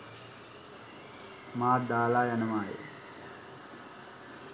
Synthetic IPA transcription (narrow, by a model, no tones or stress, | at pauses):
maːd̪aːlaːjanəʋaːjḛ